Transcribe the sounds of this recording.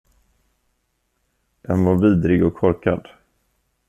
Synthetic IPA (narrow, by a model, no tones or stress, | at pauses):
janvaɾviːd̪ɾɪɡɔkʰːɔɾkad̪